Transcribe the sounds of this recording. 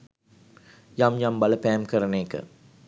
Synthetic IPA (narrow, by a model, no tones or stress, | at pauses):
jamjambɐlɐpɛːɐmkɐɾɐneːkːə̰